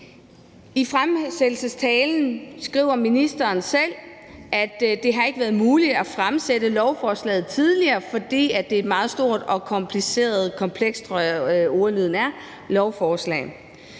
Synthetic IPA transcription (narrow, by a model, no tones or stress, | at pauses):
ifʁamsed̥l̩səst͡sʰɛːln̩sɡ̥ʁḭːʊ̰ɐminisd̥ɐːnsel̰ | ʔæd̥d̥e̝ɦɑ̈e̝ɡ̥əʋæːɐð̩ˠmuːlid̥æfʁamsedəlɒʊfɒːslɛ̰ːð̩ˠt͡sʰið̞ˠliɐːfɒ̽d̥ḭːæd̥e̝e̝d̥mɑ̈ːð̞̩ˠsd̥o̝ɐ̰d̥ɒ̽kʰɒ̽mpʰlise̝̰ːɐð̞̩ˠkʰɒ̽mpʰleɡ̥sd̥ʰʁɒɒʊɐlyðˠn̩æɐ | lɒʊfɒːslɛ̰ː